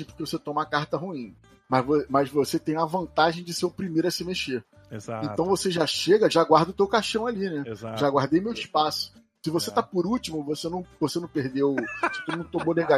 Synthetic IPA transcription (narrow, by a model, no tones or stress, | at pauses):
pʊ̥kʲevoset̪õmɐkaɾt̪ɐɦuĩ | mɐzvomɐzvoset̪ẽj̃ɐvɐ̃nt̪aʒẽj̃d͡ʒɪsepɾimeɾɐsɪmeʃeɾ | ezaẽnt̪ɐ̃w̃voseʒaʃeɡɐʒaɡwaɾd̪ʊt̪ewkaʃɐ̃w̃alinɛʒaɡwaɾd̪ejmewiʃpasʊ̥ | sɪvoset̪apʊɾut͡ʃimʊvosenɐ̃w̃vosenɐ̃w̃peɦd̪ewsɪ̥t̪unɐ̃w̃t̪õmonleɡa